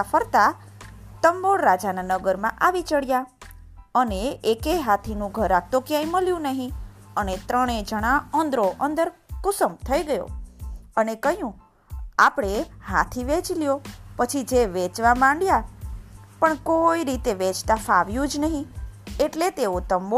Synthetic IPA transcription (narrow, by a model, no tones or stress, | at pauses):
fəɾt̪a | t̪əmboɭɾad͡ʒananəɡəɾmãʔaʋit͡ʃəɽja | əneːkeɦat̪ʰinũɡʱəɾak̚t̪okjãĩməljũnəɦĩənet̪ɾəɽ̃ed͡ʒəɽ̃ãənd̪ɾoʔənd̪əɾkʊsəmt̪ʰəiɡəjo̰ənekəɦjũ | apɽ̃eha̰t̪ʰiʋet͡ʃljopət͡ʃʰid͡ʒeʋet͡ʃʋamãɳɖja | pəɳkoiɾit̪eʋet͡ʃt̪afaʋjũd͡ʒnəɦĩeʈlet̪eot̪əmbo